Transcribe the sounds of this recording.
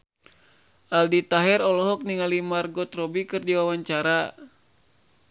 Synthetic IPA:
ʔaldit̪aɦɛrɔlɔɦɔk̚niŋalimarɡɔt̪rɔbikɨrdiwawaɲt͡ʃaɾa

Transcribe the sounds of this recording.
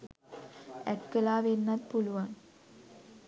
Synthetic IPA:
æʈkəlaːʋenːɐt̪̚puluʋaŋ

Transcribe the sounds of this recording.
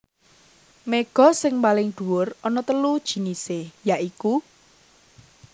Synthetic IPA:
meɡ̥ɔ̤sɪŋmpalɪŋd̪̥ṳwʊrɔnɔt̪əlud̥ʒ̥i̤nisejaʔiku

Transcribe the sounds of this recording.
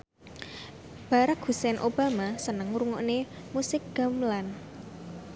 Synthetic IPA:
b̥a̤ɾak̚husɛnʔob̥a̤masənəŋɾuŋɔ̰ʔne | musɪk̚ɡ̥a̤mlan

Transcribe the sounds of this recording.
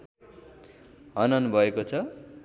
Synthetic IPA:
ɦʌnʌnbʱʌekot͡sʰʌ

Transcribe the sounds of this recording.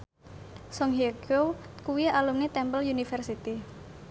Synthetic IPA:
sɔŋɦeɡokuwialumnit̪ɛmpəlunifɛrsit̪i

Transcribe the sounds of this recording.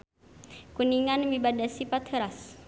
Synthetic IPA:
kuniŋanmibadasipat̪həɾas

